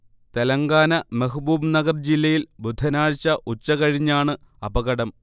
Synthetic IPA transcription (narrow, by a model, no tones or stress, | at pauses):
t̪elɐŋɡaːnɐmeɦubuːbnɐɡɐrd͡ʑilːɐjilbud̪ʱːɐnaːɻt͡ɕːɐʔut͡ɕːɐkɐɻiɲːaːɳɨ | ɐbɐɣɐɽɐm